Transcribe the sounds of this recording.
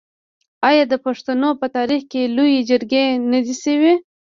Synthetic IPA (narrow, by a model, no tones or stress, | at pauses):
ɑjɑd̪əpaʂt̪anopət̪ɑɾixkelojed͡ʒəɾɡenad̪isəwi